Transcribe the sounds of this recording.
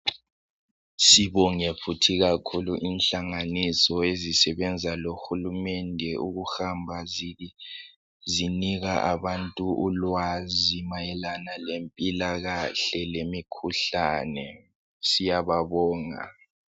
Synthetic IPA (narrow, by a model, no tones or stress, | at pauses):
siβɔŋepʰutʰiɣakʰuluʔinɬaŋanisɔezisɛβɛnd͡zʱaloxulumɛndʱɛuɣuxambʱa | ziniɣaʔaβantʼuʔulwazimajɛlanalempʼilaɣaɬɛlemikʰuɬanɛ | sijaβaβɔːŋa̰